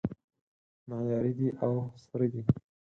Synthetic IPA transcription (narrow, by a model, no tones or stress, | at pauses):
najɑɾid̪iʔawsəɾəd̪i